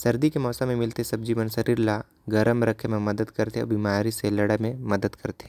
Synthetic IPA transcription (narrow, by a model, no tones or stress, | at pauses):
sɐɾd̪ikemɔːsamẽmɪlt̪esɐb̚d͡ʒiːʋənsɐɾiːɾla | ɡɐɾəmɾɐkʰmẽmɐd̪əd̪kɐɾt̪eɔ̰ːbɪmaːɾiselɐɽəmẽmɐd̪əd̪kʰɐɾt̪e